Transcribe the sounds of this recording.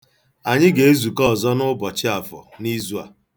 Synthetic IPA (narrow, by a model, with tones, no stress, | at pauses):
a˨ɲɪ˦ɡe˨e˦zu˨kɔ˦˨zɔ˦nʊ˦bɔ˨t͡ʃɪ˦a˨fɔ̰˨ni˦zu˦a̰˨